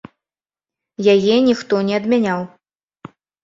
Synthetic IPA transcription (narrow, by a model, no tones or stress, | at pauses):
jajɛnʲixt̪ɔnʲɛɐd̪mʲanʲaw